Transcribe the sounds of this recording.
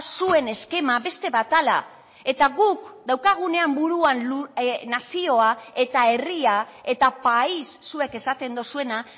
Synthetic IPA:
sue̞ne̞ske̞maβe̞st̪e̞βat̪ala̰ | e̞t̪aɣukd̪awkaɣ̞une̞ambuɾuanlunasio̞ae̞t̪ae̞ria | e̞t̪apaisːue̞ke̞sat̪e̞nd̪osue̞na

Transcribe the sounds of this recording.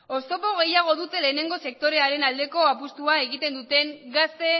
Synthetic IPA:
o̞st̪o̞po̞ɣ̞e̞jaɣ̞o̞ðut̪e̞le̞ːne̞ŋɡose̞k̚t̪o̞ɾeaɾe̞nald̪e̞ko̞apust̪uaeɣit̪e̞nd̪ut̪e̞ŋɡast̪e̞

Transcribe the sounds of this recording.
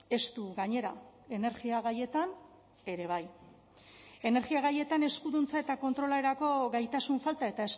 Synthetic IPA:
e̞st̪uɣaɲe̞ɾa̰e̞ne̞ɾɣiaɣ̞aje̞t̪an | e̞ɾe̞β̞aj | e̞ne̞ɾɣiaɣaje̞t̪ane̞skuðunt͡sae̞t̪ako̞nt̪ɾo̞lae̞ɾako̞ɣajt̪asuɱfalt̪ae̞t̪ae̞s

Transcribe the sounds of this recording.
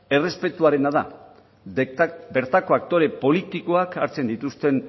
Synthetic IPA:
e̞re̞spe̞t̪uaɾe̞naða | be̞ɾt̪ako̞akt̪o̞ɾe̞po̞lit̪iko̞akaɾt͡se̞nd̪it̪ust̪e̞n

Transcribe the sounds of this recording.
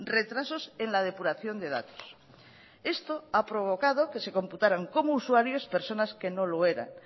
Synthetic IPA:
re̞t̪ɾaso̞se̞nlað̞e̞puɾaθjo̞nd̪e̞ða̰t̪o̥s | e̞st̪o̞apɾo̞β̞o̞kað̞o̞ke̞se̞ko̞mput̪aɾaŋko̞mouswaɾjo̞spe̞ɾso̞naske̞no̞loe̞ɾa̰n

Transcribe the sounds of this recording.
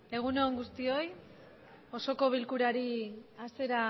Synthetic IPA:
e̞ɣ̞uno̞ŋɡust̪io̞j | o̞so̞ko̞β̞ilkuɾaɾiase̞ɾa

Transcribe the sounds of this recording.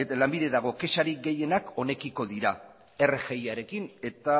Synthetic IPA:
elambiðeðaɣ̞o̞ke̞saɾik̚ɡe̞je̞nako̞ne̞kiko̞ðiɾa | e̞rexejaɾe̞kine̞t̪a

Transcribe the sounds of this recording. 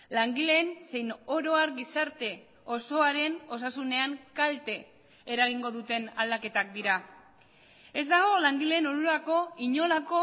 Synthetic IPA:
laŋɡile̞nse̞jno̞ɾo̞aɾɡisaɾt̪e̞ | o̞so̞aɾe̞no̞s̬asune̞aŋkalt̪e̞ː | ɾaɣiŋɡo̞ðut̪e̞na̰ld̪ake̞t̪ak̚d̪iɾa | e̞zd̪aɣ̞o̞laŋɡile̞ːnoɾulako̞iɲo̞lako̞

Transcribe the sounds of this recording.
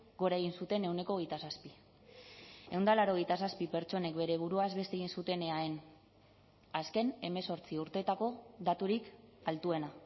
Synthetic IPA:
ɡo̞ɾaeɣ̞insut̪e̞ne̞wne̞ko̞ɣejt̪asaspi | e̞wnd̪alaɾo̞ɣ̞ejt̪asaspipe̞ɾt͡ʃo̞ne̞kbe̞ɾe̞β̞uɾuazβe̞st̪e̞ɣ̞insut̪e̞ne̞aen | aske̞ne̞me̞so̞ɾt͡siuɾt̪e̞t̪ako̞ðat̪uɾikalt̪ue̞na

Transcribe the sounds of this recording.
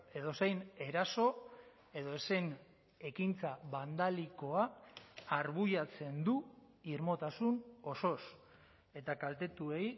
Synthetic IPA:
e̞ð̞o̞sejne̞ɾaso̞ | e̞ðo̞ese̞n | e̞kint͡saβand̪aliko̞aː | ɾβuʎat͡se̞nd̪uirmo̞t̪asuno̞so̞s | e̞t̪akalt̪e̞t̪ue̞j

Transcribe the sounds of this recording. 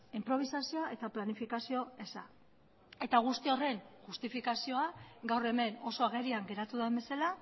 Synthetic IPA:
impɾo̞β̞isasio̞aʔe̞t̪aplanifikasio̞e̞sa̰ | e̞t̪aɣ̞ust̪io̞re̞ŋʝust̪ifikasio̞aɡawre̞me̞no̞so̞aɣe̞ɾiaŋɡe̞ɾat̪uðembe̞sala

